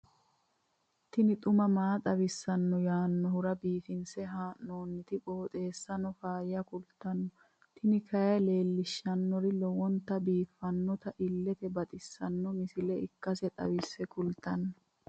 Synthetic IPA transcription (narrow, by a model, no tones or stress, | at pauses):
t̪ɪnɪt̪ʼʊmɐmaːt̪ʼɐwɪsːɐnːɔjaːnːɔhʊɾɐbiːfɪnsɛɦaːʔno̞ːnːɪt̪ɪkʼo̞ːt̪ʼe̞ːsːɐnɔfaːjːɐkʊlt̪ɐnːɔ | t̪ʰɪnɪkʰɐjɐle̞ːlːɪʃːɐnːɔɾɪlɔwɔnt̪ːɐbiːfːɐnːɔt̪ɐʔɪlːɛt̪ɛbɐt̪ʼɪsːɐnːɔmɪsɪlɛɪkːɐsɛt̪ʼɐ̰wɪsːɛkʊlt̪ɐnːɔ